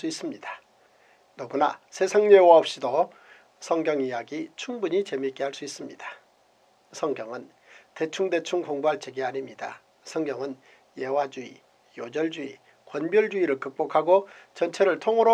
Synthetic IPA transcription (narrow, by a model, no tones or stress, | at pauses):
s͈uis͈ɯmɲid̥a | noɡunasʰe̞sʰaŋɲewaʌp̚ɕ͈ido | sʰʌŋɡjʌŋijaɡit͡ɕʰuŋbuɲit͡ɕe̞mik͈eɦaɭs͈uis͈ɯmɲid̥ḁ | sʰʌŋɡjʌŋɯn | te̞t͡ɕʰuŋde̞t͡ɕʰuŋkoŋbuɦaɭt͡ɕʰeɡiaɲimɲida̰ | sʰʌŋɡjʌŋɯn | je̞wad͡ʑuḭ | jod͡ʑʌɭd͡ʑuḭ | kwʌnbjʌɭd͡ʑuiɾɯɭkɯk̚p͈okʰaɡot͡ɕʌnt͡ɕʰeɾɯɭtʰoŋɯɾo